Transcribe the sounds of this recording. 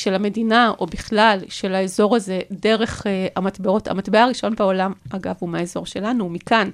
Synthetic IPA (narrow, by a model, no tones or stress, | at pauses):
ʃe̞lame̞dinaʔo̞biχlalʃe̞laezo̞ʁaze̞de̞ʁe̞χamatbeo̞ta̰matbeaʁiʃo̞nbeo̞lamaɡavumeaezo̞ʁʃe̞lanumikan